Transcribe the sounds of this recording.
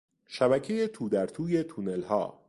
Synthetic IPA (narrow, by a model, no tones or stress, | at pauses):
ʃæbæcʰe̞jet̪ʰuːd̪æɾt̪ʰuːje̞t̪ʰunelhɒ̰ː